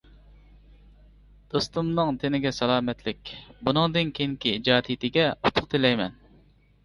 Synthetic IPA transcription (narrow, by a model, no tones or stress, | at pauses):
d̪̥ost̪umnɨŋt̪ʰɪnɪɡʲɛsɛlˠɑːmɛt̪ʰlɪkʲbunɨŋd̪ɨnkʲʰeŋkʲiid͡ʒɑːd̪it̪ʰɪɡʲɛut̪ʰʊ̥qt̪ʰɪlɛjmɛ̰n